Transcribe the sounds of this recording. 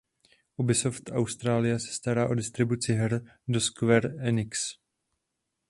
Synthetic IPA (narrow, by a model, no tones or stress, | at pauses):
ʔubɪsoft̪ʔawst̪ɾaːlɪjɛsɛ̥st̪aɾaːʔodɪst̪ɾɪbut͡sɪɦɛɾdoskvɛɾɛnɪks